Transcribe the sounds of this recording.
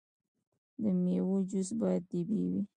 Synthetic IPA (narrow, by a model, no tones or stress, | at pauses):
d̪əmewod͡ʒʊsbɑjad̪̚t̪ibiwi